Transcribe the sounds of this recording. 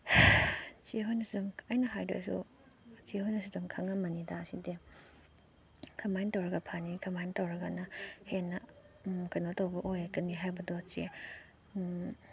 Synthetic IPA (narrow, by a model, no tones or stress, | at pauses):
t͡ʃeɦojnɐsidumajnɐɦajdḛsṵ | t͡ʃehojnɐsidumkʰaŋɐmɐnidaside | kʰɐmajntɐwɾɐɡɐpʰanikʰɐmajntɐwɾɐɡɐnɐhenːɐ | kɐjnotowbɐʔojakːɐniɦajbɐdɔt͡ʃḛ